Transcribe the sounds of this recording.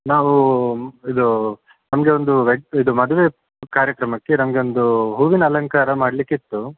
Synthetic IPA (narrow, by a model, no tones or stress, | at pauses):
naːʋu | id̪u | nɐmɐɡe̞o̞nd̪uʋeid̪umɐd̪uʋe̞ | kaːɾjɐkɾɐmɐkːe̞nɐmɐɡe̞ond̪uɦuːʋinɐɐlɐŋkaːɾɐmaːɽlikːit̪ːu